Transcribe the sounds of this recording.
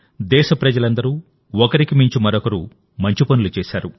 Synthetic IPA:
d̪ɛːʃɐpɾɐd͡ʒɐlɐnd̪ɐɾuː | ɔkɐɾikimiɲt͡ʃimɐɾɔkɐɾṵː | mɐɲt͡ʃipɐnulut͡ʃɛːʃaːɾu

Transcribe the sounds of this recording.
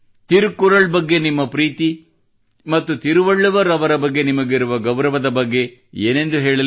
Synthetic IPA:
t̪iɾukːuɾɐɭbɐɡːe̞nimːɐpɾiːt̪i | mɐt̪ːut̪iɾuʋɐɭːuʋɐɾɐʋɐɾɐbɐɡːe̞nimɐɡiɾuʋɐɡɐwɾɐʋɐd̪ɐbɐɡːe̞ḛːne̞nd̪uɦɛːɭɐ

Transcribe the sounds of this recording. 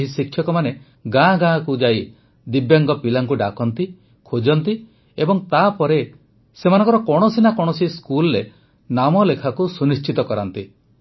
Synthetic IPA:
ɦisikʰːjɔkɔmane | ɡãɡãkud͡ʒaj | d̪ibjaŋɡɔpilaŋkuɖakɔnt̪i | kʰod͡ʒɔnt̪i | ebɔŋt̪apɔɾe | semanɔ̃ŋkɔɾɔkɔɽ̃ɔsinakɔɽ̃ɔsiskulɔɾe | namɔlekʰakusunist͡ʃit̪ɔkɔɾant̪i

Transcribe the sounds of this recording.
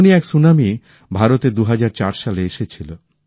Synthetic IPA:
niɛksunami | bʱaɾot̪ed̪uɦad͡ʑaɾt͡ɕaɾʃaleeʃet͡ɕʰilo

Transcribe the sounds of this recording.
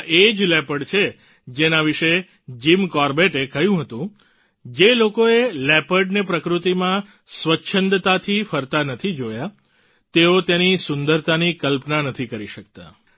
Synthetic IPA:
ʔed͡ʒlɛpəɖt͡ʃʰe | d͡ʒenaʋiʃe | d͡ʒimkɔɾbeʈekəɦjũɦət̪ũ | d͡ʒelokoelɛpəɖnepɾəkɾut̪imã | sʋətːʃʰənd̪t̪at̪ʰifəɾt̪anət̪ʰid͡ʒoja | t̪eot̪jenisʊnd̪əɾt̪anikəlpnanət̪ʰikəɾiʃək̚t̪a̰

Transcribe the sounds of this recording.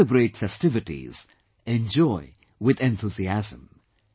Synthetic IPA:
ɨbɹeɪʈfɛstɪvɨtḭz̥ | ɛ̃nd͡ʒɔɪ | wɪðɛ̃nθuziæzə̃m

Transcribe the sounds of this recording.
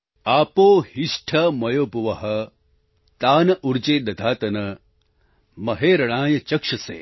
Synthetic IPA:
aːpoːhiʂʈʰɐmɐjoːpɐʋɐɦɐ | t̪aːnɐʔuɾd͡ʒeːd̪ɐd̪ʱaːt̪ɐnɐ | mɐɦeːɾɐɽ̃aːjɐt͡ʃɐkʂɐsḛː

